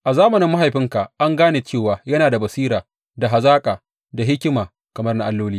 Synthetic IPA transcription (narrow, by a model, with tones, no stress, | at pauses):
ʔa˨zaː˦mɐ˨nɪ˨˦mːa˦ɦa˨jɸɪ˦ŋka˨ʔʔa˦ŋɡaː˦neː˨t͡ʃeː˦˨waː˨jɐ˦naː˨da˨bɐ˨siː˦ɾaː˨ | da˨ɦa˨zaː˦kʼaː˨ | da˨ɦɪ˦kʲɪ˦maː˨ | kɐ˨mɐ˦rna˦ʔa˦lːoː˦liː˦